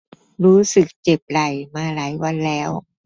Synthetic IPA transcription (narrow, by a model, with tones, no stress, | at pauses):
ɾuː˦˥sɯ˨˩k̚t͡ɕe˨˩p̚ɾa˨˩jmaː˧laː˩˦jwa˧nlɛː˦˥w